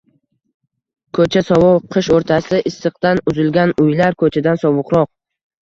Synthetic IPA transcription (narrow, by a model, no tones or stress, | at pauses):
kʰɵt͡ʃʰasɒvɒlqʰɨʃoɾt̪ʰasɪʔɪsːɨq̚t̪anʊzɪlɡʲanʊjlaɾkʰɵt͡ʃʰad̪ansɒvʊqɾɒq̚